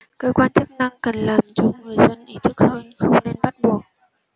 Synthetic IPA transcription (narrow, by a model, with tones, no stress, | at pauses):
kəː˧kwaː˧nt͡ɕɨ˦˥k̚na˧ŋkə˨˩nlaː˨˩mt͡ɕɔ˧ŋɨ˨˩əjzə˧nʔi˧˦t̪ʰɨ˦˥k̚həː˧nxə˧wŋ͡mne˧nɓa˦˥t̚ɓu˨˩ək̚